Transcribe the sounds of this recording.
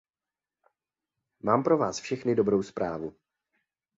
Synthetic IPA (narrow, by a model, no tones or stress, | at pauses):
maːmpɾo̞vaːsfʃɛxnɪdo̞bɾowspɾʔaːvu